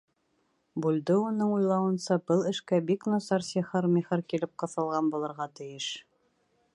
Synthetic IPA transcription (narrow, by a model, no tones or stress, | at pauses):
buld̪ɘunɤɴujlˠɑwɤ̆nsɑbɤlˠɘ̆ʃkæbiknŏsɑɾsʲiχɤɾmʲiχɤɾkilɘp̚qɤ̆θɤ̆lˠʁɑnbulˠɤ̆ɾʁɑt̪ɘ̆jɘʃ